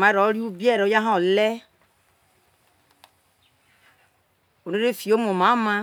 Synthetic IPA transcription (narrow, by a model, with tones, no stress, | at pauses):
ma˨˦ɾɔ˨˦ɾi˦u˦bi˦ɛ˦˨ɾo˦ja˦ɦã˦o˨lɛ˦ | o˨ne˦ɾe˦˨fi˨o˦mo˨mã˨˦mã˦